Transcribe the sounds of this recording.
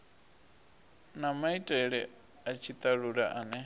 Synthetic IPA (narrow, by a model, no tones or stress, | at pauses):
namaitʼɛɺɛ | at͡ʃʰit̪ʼaɺuɺaʔanɛ